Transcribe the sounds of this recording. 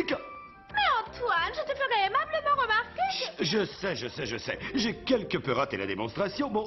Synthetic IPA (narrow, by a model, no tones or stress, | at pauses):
k | mɛɑ̃t̪wanʒət̪əfəʁɛːmabləmɑ̃ʁəmaʁkʲeʒəsɛʒəsɛʒəsɛ̰ʒekʲɛlkəpøʁat̪ela̰d̪emɔ̃st̪χasjɔ̃bɔ̃